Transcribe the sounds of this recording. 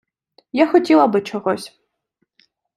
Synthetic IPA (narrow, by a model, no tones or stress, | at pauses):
jaxɔtʲilˠɐbɨt͡ʃʰɔɣɔsʲ